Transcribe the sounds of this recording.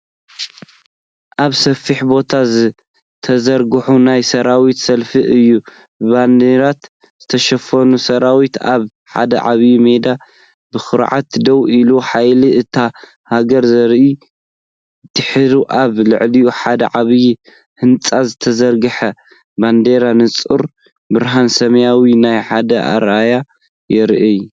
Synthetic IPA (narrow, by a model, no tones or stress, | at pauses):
ʔaβsɐfiħbo̞t̪ʰazɨ | t̪ʰɐzɐɾɡɨħunajsɐɾawit̪sɐlfiʔɨjːu | bɨband̪eɾat̪ | z̥ɨt̪ʰɐʃɐfɐnusɐɾawit̪aβ | ħa̰d̪ɐ̰ʕa̰βjimed̪a | bɨxɨɾʕa̰t̪d̪ɐwiluħajliʔɨt̪ʰa | haɡɐɾzɐɾi | t̪ːɨħɨɾuʔaβlɨʕliuħad̪ɐ̰ʕaβji | hɨnt͡sʼazɨt̪ʰɐzɐɾɡɨħɐ | band̪eɾanɨt͡sʼṵɾ | bɨɾɦansɐmɐjawinajħad̪ɐʔa̰ɾaja | jɛɾʔɐju